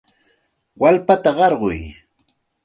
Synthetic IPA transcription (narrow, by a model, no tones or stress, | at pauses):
walpat̪aɢɑɾɢʊ̰j